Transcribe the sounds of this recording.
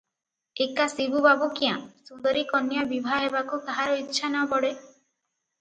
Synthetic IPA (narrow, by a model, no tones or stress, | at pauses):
ekasibubabukiãsund̪ɔɾikɔnjabibʱaɦebakukaɦaɾɔitːʃʰanɔbɔɽe